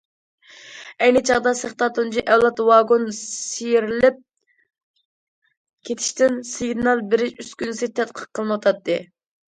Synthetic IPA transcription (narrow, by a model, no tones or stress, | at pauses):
ɛjnɪt͡ʃʰɑʁd̪ɑsəχt̪ɑt̪unt͡ʃʰiʔɛwlˠɑt̪wɑɡonsijiɾɪlɪp̚ | kʲʰet̪ʰɪ̥ʃt̪ɪnsɪɡʲnɑlˠbɪɾɪyskʲynɪsɪt̪ʰɛt̪̚qʰə̥q̚qʰːəlˠmwɑt̪ʰɑt̪ʰːɨ